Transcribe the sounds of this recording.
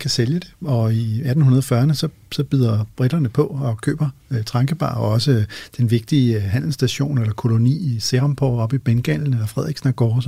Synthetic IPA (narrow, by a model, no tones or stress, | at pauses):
kʰæseljəd̥e̝̥ɒ̽iæd̥n̩hunɐð̞ˠɒfɶɐnəsɒ̽ | sɒ̽b̥yð̰ˠɐb̥ʁiɾ̥ɐnəpʰɒ̽ɒ̽kʰø̰ːb̥ɐt͡sʰʁɑ̈ŋɡ̥əb̥ɑ̰̈ːɒ̽səd̥enʋe̝ɡ̥̚d̥iːɦæn̰l̩sd̥æɕo̝̰ːnelɐkʰo̝lo̝nḭːiseʁɑmpʰɒ̰ɒ̽b̥ib̥enɡ̥ɛn̰ln̩elɐfʁɛðˠiɡsnæɡ̥ɒs